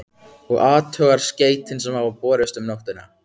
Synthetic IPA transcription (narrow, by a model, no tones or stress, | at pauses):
ɔɣaːt̪ʰœːɣaɾ̥sceːjt̪ɪns̬ɛmhavapɔːɾɪst̪ʏmnowht̪ʏnːa̰